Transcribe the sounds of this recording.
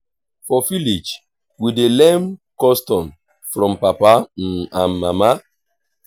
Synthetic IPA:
fɔfilit͡ʃ | widelemkɔstɔn | fɾɔ̃m̩papan̩am̩ma̰ma

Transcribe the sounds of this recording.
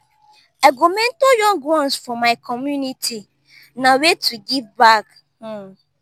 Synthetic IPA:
aɡomɛ̃ntojɔ̃ŋɡwɔ̃nsfɔmaɪkʰɔmjunitʰi | nawetʰuɡivbak̩

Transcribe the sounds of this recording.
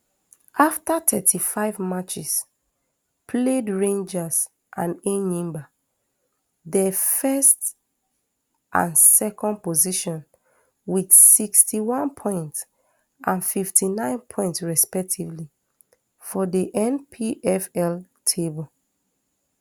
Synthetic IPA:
ʔaftatʰɛtʰifaɪvmat͡ʃis | pʰledɹẽnd͡ʒas | ʔã̰nenĩmba | dəfɛst | ʔã̰nsɛkɔ̃nd̚poziʃɔ̃n | widsikstiwãnpʰɔ̃ɪ̃nts | ʔãnfiftʰinãɪ̃npʰɔ̃ɪ̃ntsɹɛspɛk̚tʰivli | fɔdiʔɛ̃npʰiʔɛfɛl | tʰebɔl

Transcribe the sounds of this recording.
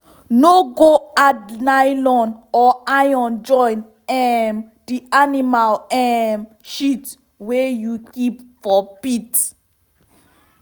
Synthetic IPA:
noɡoadnajlɔ̃nɔajɔ̃nd͡ʒɔ̃jn | ɛm | dianimalɛm | ʃit | wɛjukipfɔpit

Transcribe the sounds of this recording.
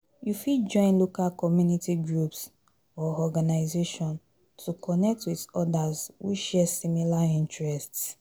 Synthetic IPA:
jufid͡ʒɔ̃ɪ̃nlokalkɔmjunitiɡɹups | ɔɔɡanaɪzeʃɔ̃n | tʰukʰɔnɛk̚twiðɔdazwḭʃɛsimilaĩntɹɛsts

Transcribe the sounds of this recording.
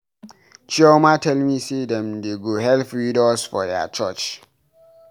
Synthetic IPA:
t͡ʃiɔmatɛlmisedɛ̃mdeɡoɦɛlfɹidɔsfɔ̰dɛ̰t͡ʃɔt͡ʃ

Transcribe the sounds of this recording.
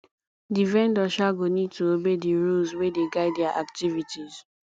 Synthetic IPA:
divɛ̃ndɔʃaɡonid̚tʰuobediɹulzwedeɡaɪddɛaʔaktivitiz̥

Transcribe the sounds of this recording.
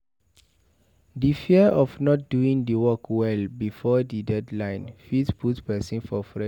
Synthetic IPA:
difiəʔɔfnɔt̚duĩŋdəwɔkwɛlbifɔdidɛdlãɪ̃nfitpʰutpɛsĩnfɔfɹɛ

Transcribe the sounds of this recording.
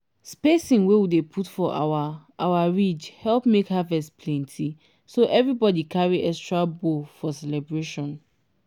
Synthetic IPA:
spesĩŋwewidepʰutfɔʔaaawaɹid͡ʒhɛlˠpmekhavɛstpʰlɛ̃ntʰi | soʔɛvɹibɔdikʰaɹiʔɛkstɹabofɔsɛlɛbɹeʃɔ̃n

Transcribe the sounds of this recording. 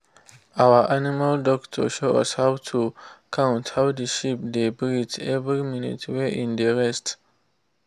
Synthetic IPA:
awaʔanimaldɔktʰɔ̰ʃoa̰shawtʰukʰãwʊ̃nthawdəʃip̚debɾitɛvɾiminḭtʰweʔĩndəɹɛst

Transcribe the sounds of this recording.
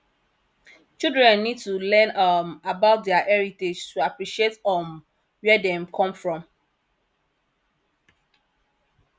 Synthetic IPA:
t͡ʃildɹɛ̃nːid̚tulɛ̃nʌmabaʊt̚dɛaʔɛɹited͡ʒtuapɹiʃietɔm | wɛdɛ̃mkʰɔ̃mfɹɔ̃m

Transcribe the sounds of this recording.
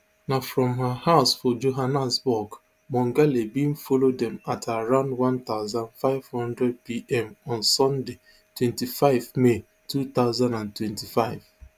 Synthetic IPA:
nafɾɔ̃mɦəhaʊsfɔd͡ʒoɦanasbɔk | mɔ̃ŋɡalibĩm̩fɔlod̪ɛ̃matʰaɾãʊ̃ndwãnt̪aʊzãnfaɪv̥hɔ̃ndɾɛd̚piʔɛmɔ̃nsɔ̃nde | twɛ̃ntifaɪvme | tʰut̪aʊzãndãntwɛ̃ntifaɪv

